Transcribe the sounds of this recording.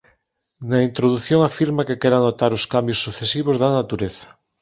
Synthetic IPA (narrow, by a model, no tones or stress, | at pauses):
naint̪ɾoðuθjõŋafiɾmakekeɾanot̪aɾoskambjosːuθesiβ̞ozðanat̪uɾeθɐ̥